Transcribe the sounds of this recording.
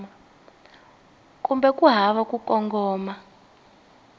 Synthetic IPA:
a | kumbɛkʼuɦaβakukʼɔŋɡɔːma

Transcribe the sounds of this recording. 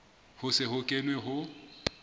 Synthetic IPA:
hʊsɪhʊkʼenweɦʊ

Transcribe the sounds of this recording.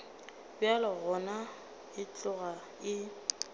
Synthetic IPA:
bɪalɪɣɔna | ɪt͡ɬʼʊɣa | ɪ

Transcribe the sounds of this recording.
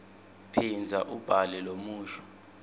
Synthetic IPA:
pʰind͡zʱa̰ʔub̥ʱalɛlomuːʃʰɔ̥

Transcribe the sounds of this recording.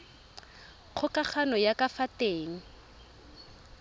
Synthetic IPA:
k͡xʰʊkʼak͡xʰanɔjakafateːŋ̩

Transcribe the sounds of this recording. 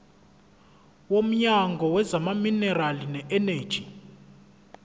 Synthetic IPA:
wom̩ɲaŋɡʱɔwɛzamaminɛralinɛʔɛneːd̥ʒ̥ʱi

